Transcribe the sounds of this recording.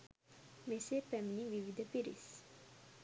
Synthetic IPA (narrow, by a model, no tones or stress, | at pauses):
mesepɛmniʋiʋid̪ʱəpiɾḭs